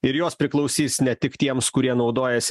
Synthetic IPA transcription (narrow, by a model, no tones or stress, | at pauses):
ɪɾjoːspʲɾʲɪklˠɒʊsʲiːsnʲɛt̪ʲɪkt̪ʲiɛmskʊɾʲiɛnɒʊd̪oːjɛsʲ